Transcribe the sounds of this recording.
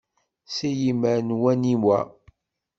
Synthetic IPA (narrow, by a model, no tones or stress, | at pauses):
sijiməɾnwænimwæ̰